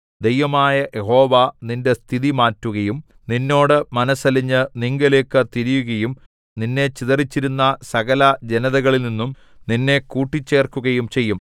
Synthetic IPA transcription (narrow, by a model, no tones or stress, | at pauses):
d̪ejʋɐmaːjɐjʔeɦo̞ːʋaninde̞st̪ʰiðimaːtːuɣɐjum | ninːo̞ːɽɨmɐnɐsɐliɲːɨniŋɡɐle̞ːkːɨt̪iɾijuɣɐjum | ninːe̞t͡ɕiðɐrit͡ɕːiɾunːɐsɐɣɐlɐd͡ʑenɐðɐɣɐɭilninːum | ninːe̞kuːʈːit͡ɕːe̞ːrkːuɣɐjumt͡ɕe̞jːum